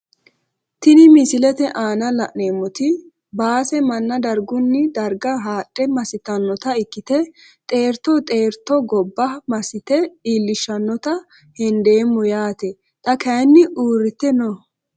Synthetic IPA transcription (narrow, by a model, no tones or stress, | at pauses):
t̪ɪnɪmɪsɪlɛt̪ɛʔaːnɐlɐʔneːmːɔt̪ɪ | baːsɛmɐnːɐd̪ɐɾɡʊnːɪd̪ɐɾɡɐɦaːtʼːɛmɐsɪt̪ɐnːɔt̪ɐɪkːɪt̪ɛt̪ʼe̞ːɾt̪ːɔt̪ʼeːɾt̪ːɔɡɔbːɐmɐsɪt̪ɛiːlːɪʃːɐnːɔt̪ɐ | hɛnd̪eːmːʊjaːt̪ɛ | t̪ʼɐkɐjnːɪʔuːɾɪt̪ːɛnɔ